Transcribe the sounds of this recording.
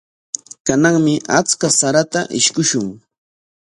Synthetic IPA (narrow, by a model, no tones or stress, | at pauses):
kanaŋmɪʔat͡skasaɾat̪aʔɪʃkʊʃʊŋ